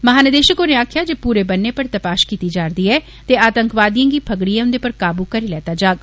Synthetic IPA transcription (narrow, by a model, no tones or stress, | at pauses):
məɦaːnəd̪eːʃəkoneːaːkʰjaːd͡ʒeːpuːɾeːbənːeːpəɾt̪əpaːʃkiːt̪iːd͡ʒaːɾd̪iːɛː | t̪eːaːt̪əŋkʋaːd̪ijãːɡiːpʰəɡɽijãːʊnd̪eːpəɾkaːbuːkəɾiːlɛːt̪aːd͡ʒaːɡ